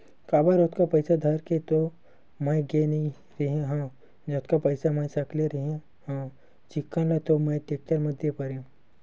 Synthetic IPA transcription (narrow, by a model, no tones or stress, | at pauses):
kaːbaɾoːt̪kapɐɪsad̪ʱɐɾket̪o | mɐɡenĩ | ɾɐɦẽɦã | d͡ʒɐt̪kapɐɪsamɐ̃jsɐkleɾiɦẽ | hã | t͡ʃɪkːãlat̪omɐ̃ʈeːk̚ʈəɾmɐd̪ʱjepɐɾẽ